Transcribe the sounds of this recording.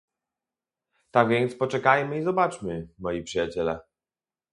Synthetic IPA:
t̪aɡvʲjɛnt̪spɔt͡ʂɛkajmɘizɔbat͡ʂmɘmɔjipʂɘjat͡ɕɛlɛ̰

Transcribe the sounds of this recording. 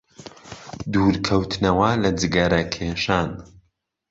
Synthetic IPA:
d̪uːɾkʰɐwt̪ʰnɐwɐlɐd͡ʒɨɡɐɾɐkʰeʃaːn

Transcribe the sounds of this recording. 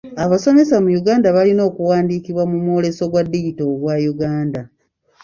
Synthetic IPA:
aβaso̞me̞samujuɡaːndaβalino̞ːkuwaːndiːkiβwamumwo̞ːle̞so̞ɡwadːiitoɡwajuɡaːnda

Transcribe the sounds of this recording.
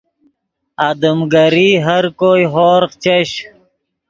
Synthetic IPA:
ad̪əmɡɐɾiːɦɐɾkoːiɦoːɾqt͡ɕeɕ

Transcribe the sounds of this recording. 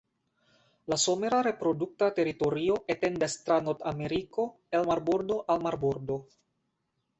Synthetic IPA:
lasomeɾaɾepɾoduk̚tateɾit̪oɾio̞ʔetendast̪ɾanot̪ameɾiko̞ | elmaɾboɾdo̞ʔalmaɾboɾdo

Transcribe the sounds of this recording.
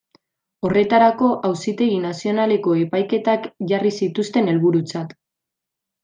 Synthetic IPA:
o̞re̞t̪aɾako̞ʔawsit̪e̞ɣinasio̞nale̞ko̞e̞pajke̞t̪akʝarisit̪ust̪e̞ne̞lβuɾut͡sat̪

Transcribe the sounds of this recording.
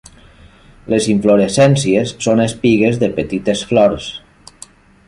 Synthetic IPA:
leziɱfloɾesɛnsiesːonespiɣezðəpət̪it̪esflɔɾs

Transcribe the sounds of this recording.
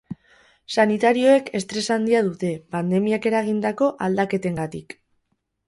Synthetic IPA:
sanit̪aɾio̞e̞ke̞st̪ɾe̞sand̪iað̞ut̪e̞pand̪e̞miake̞ɾaɣ̞ind̪ako̞ʔald̪ake̞t̪e̞ŋɡat̪ik

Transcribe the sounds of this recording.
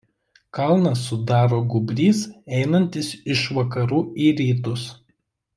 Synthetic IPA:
kɐlˠnɐsʊd̪ɑːɾoːɡʊbʲɾʲiːsɛɪnɐnʲt̪ʲɪsɪʃʋɐkɐɾuːiːɾʲiːt̪ʊs

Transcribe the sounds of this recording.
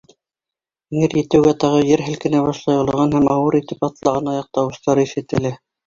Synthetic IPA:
ŋɘɾjɘ̆t̪ɘ̆wɡæt̪ɑʁɤjɘɾɦɘ̆lkɘ̆næβɑʃlˠɑjŏlˠɤ̆ʁɑnhæmɑwɤɾit̪ɘpɑt̪lˠɑʁɤnɑjɑq̚t̪ɑwɤ̆st̪ɑɾɤiʃɘ̆t̪ɘ̆lɘ

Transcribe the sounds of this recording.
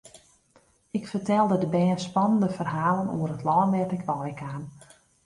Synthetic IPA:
ɪkfərtɛlˠdədəbɛːnspɑnəndəfərɦaːlənṵərətlɔːnʋɛtɪkʋɔjkʰaːn

